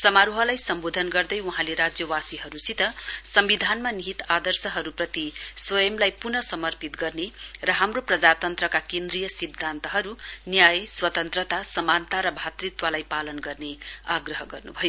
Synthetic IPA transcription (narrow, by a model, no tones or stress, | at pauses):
sʌmaɾuɦʌlajsʌmbod̪ʱʌnɡʌrd̪ʌjwuɦãleɾad͡zjʌwasiɦʌɾusit̪ʌsʌmbid̪ʱanmaniɦit̪ad̪ʌrsʌɦʌɾuprʌt̪iswʌjʌmlajpurnʌsʌmʌrpit̪ɡʌrnerʌɦamroprʌd͡zat̪ʌnt̪rʌkakend̪rijʌsid̪ʱːant̪ʌɦʌɾunjajswʌt̪ʌnt̪rʌt̪asʌmant̪aɾʌbʱat̪rit̪wʌlajpalʌnɡʌrneaɡrʌɦʌɡʌrnubʱʌjo